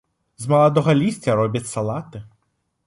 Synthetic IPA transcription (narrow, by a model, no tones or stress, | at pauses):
zmɐlˠɐd̪ɔɣɐlʲisʲtʲɐɾɔbʲɐtʲsɐlˠat̪ɪ